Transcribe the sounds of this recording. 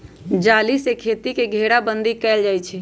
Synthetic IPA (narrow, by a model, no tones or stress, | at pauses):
d͡ʒaːlisekʰeːt̪ikeɡʱeɽabə̃nd̪ʱikɛːld͡ʒaːjt͡ʃʰɛ